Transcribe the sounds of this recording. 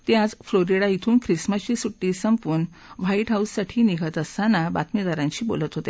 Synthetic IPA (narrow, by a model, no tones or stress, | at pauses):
t̪jad͡zfloɾiɽait̪ʰuːnkɾisməɕiːsuʈːiːsəmpuːn | ʋaiʈɦausːaʈʰiːniɡʱət̪əst̪anaba̰t̪mid̪aɾãɲt͡ɕiːbo̰lət̪ɦot̪e